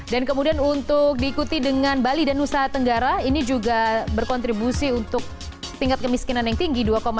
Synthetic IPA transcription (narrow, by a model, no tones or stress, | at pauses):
dankəmudianunt̪ʊk̚diːkut̪idəŋanbalidanusaɦat̪əŋɡaɾainid͡ʒuɡabərkɔnt̪ɾibusiunt̪ʊk̚ | t̪iŋkat̪̚kəmiskinanjaŋt̪iŋɡiduakoma